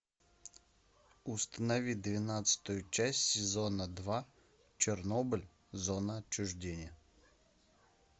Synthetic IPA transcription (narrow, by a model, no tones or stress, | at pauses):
ʊst̪ənɐʋʲid̪ʋʲinat̪sə̥t̪ʊjʊt͡ʃæsʲtʲsʲɪzɔnəd̪ʋa | t͡ʃɪrnɔbɨlʲ | zɔnəɐt͡ʃːʊʐdʲenʲɪjə